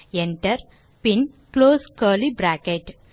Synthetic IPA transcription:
eɳʈəɾ | pin | kloːskəːlibɾækeʈ

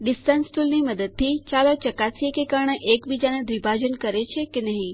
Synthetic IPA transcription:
ɖɪsʈə̃nsʈulniməd̪əd̪̚t̪ʰit͡ʃalat͡ʃəkasijekekəɾɳ̃əʔekbid͡ʒaned̪ʋibʱad͡ʒənkəɾet͡ʃʰekenəɦĩ

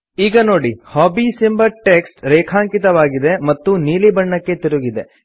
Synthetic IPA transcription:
iːɡɐno̞ːɽihɔːbisimbɐɾʈeksʈɾɛːkʰaːŋkit̪ɐʋaːɡid̪e̞mɐt̪ːuniːlibɐɳːɐkːe̞t̪iɾuɡid̪e̞

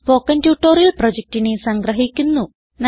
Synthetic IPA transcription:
po̞ːkːɐntjuːʈːoːɾijɐlprod͡ʑek̚tinesɐŋɡɾɐɦikʲːunːu | n

